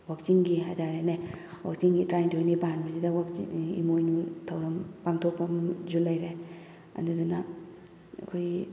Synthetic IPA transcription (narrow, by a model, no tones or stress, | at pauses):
wak̚t͡ʃiŋɡiɦajdaɾenewa̰k̚t͡ʃiŋɡitɾajntʰojnipanbɐzidɐwak̚ḭḭmojnutʰɐwɾɐmpaŋtʰok̚pɐmzulajɾe | ɐ̰duduna | ɐ̰kʰoj